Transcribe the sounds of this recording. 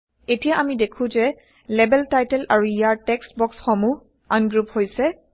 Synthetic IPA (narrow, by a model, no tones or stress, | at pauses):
etijaʔamidekʰũzɛ | lɛbɛltajtɛlaɹuijaɹtɛkstbɔksxɔmuh | anɡɹuphojsɛ